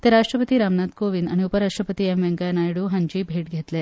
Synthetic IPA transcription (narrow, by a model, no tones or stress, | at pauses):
t̪eɾaʂʈɾəpət̪iːɾamnat̪koʋinaɽ̃iupəɾaʂʈɾəpət̪iːemʋeŋkanajɽuɦaɲt͡ɕiːbʱeʈɡʱet̪le